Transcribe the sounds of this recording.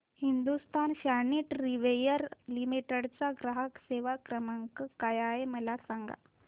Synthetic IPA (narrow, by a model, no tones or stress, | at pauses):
hind̪ust̪ʰanɕaniʈɾiʋejəɾlimiʈəɽt͡saɡɾaɦəkseʋakɾəmaŋkəkajaeməlasaŋɡa̰